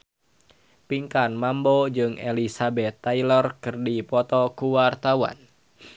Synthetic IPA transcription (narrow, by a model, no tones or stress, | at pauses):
piŋkanmambɔd͡ʒɨŋḛlisabɛt̪ːailərkɨrdipɔt̪ɔkuwart̪awa̰n